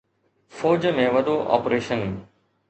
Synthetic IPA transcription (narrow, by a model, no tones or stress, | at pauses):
foːd͡ʑmẽʋɐd̪ʱoʔɔ̰ːpɾeːʃən